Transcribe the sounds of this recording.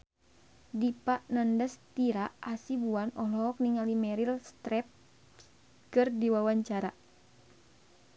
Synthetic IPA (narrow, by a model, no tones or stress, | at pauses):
dipaʔnandəst̪iɾaʔasibuanɔɦlɔɔk̚niŋalimɛɾilst̪ɾɛp̚ | kɨrdiwawaɲt͡ʃaɾa